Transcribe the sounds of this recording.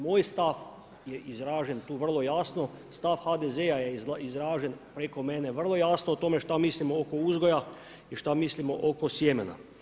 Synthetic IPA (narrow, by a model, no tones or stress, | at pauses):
moːjst̪af | jeʔizɾaːʒent̪uːʋr̩lˠo̞jaːsno̞ | st̪afxad̪ezejajeizɾaːʒenpɾeko̞mene̞ʋr̩lˠo̞jaːsnoot̪o̞me̞ʃt̪amislimookouzɡoja | iʃt̪amislimo̞ʔokosjemena̰